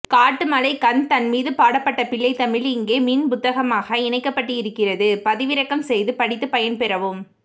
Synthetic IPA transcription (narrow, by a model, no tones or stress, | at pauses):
kaːʈːɯmɐlɐɪkɐnt̪ɐnmiːðɯpaːɽɐpːɐʈːɐpɪɭːɐɪt̪ɐmɪlɪŋɡeːmiːnpʊt̪ːɐɣɐmaːɣɐɪɳɐɪkːɐpːɐʈːɯɪɾɯkːɪrɐðɯpɐðɪʋɪɾɐkːɐmsɛjðɯpɐɽɪt̪ːɯpɐjɐnpɛɾɐʋɯm